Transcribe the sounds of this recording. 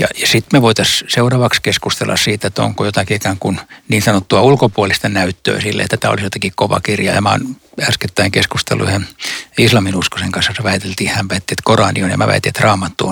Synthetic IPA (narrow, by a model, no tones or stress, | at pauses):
jɑ̰jɑsit̪meʋoit̪ɑsseurɑʋɑkskeskust̪elːɑ̰ssiːt̪et̪ːo̰ŋkojot̪ɑkiikæːŋkunniːnsɑnot̪ːuɑulkopuolist̪ɑnæyt̪ːø̰ːsilːḛt̪ːæt̪æo̰lisjot̪ɑkikoʋɑ̰kirjɑ̰jɑ̰mɑo̰næsket̪ːæiŋkeskust̪ḛlːṵyhenislɑminuskoseŋkɑnsːɑseʋæit̪elt̪iːhæmʋæit̪ːiet̪korɑnḭonjɑ̰mæ̰ʋæ̰it̪ːiet̪rɑːmɑt̪ːuon